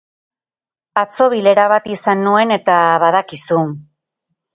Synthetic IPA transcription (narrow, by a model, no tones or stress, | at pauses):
at͡so̞βile̞ɾaβat̪isanːue̞ne̞t̪aβaðakisu